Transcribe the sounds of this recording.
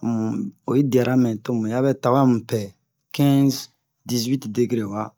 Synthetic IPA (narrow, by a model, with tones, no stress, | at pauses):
mũ˨o˨ji˦da˨ɾa˦mɛ̃˨to˦mũ˨ja˦bɛ˦ta˨ba˦mũ˨pɛ˨ | kɛ̃˦z | di˨zwi˦tde˨ɡɾe˨wa˦